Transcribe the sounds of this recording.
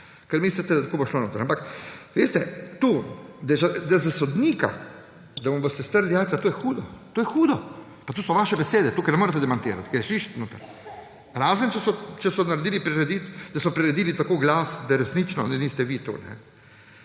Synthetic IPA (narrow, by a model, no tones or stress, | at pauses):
kɛɾmislit̪ɛd̪at̪kuboʃlonoːt̪ɾampakʋeːst̪ɛt̪uːd̪at͡ʃɛd̪azasod̪niːka̰ | d̪amɐmbost̪ɛst̪əɾlijaːlt̪at̪oːjɛxuːd̪ɔt̪oːjɛxuːd̪ɔ | pat̪uːsɔʋaʃɛbɛseːd̪ɛt̪uːkajnɛmoːɾɛt̪ɛd̪ɛmant̪iːɾa̰t̪kajɛʃiʃt̪noːt̪aɾ | ɾaːzənt͡ʃɛsɔt͡ʃɛsɔnaɾed̪iːlipɾiɾɛd̪iːt̪d̪asɔpɾiɾɛd̪iːlit̪akoːɡlaːsd̪aɾɛsnit͡ʃnɔ̰nɛniːst̪ɛʋit̪ṵːnɛ̰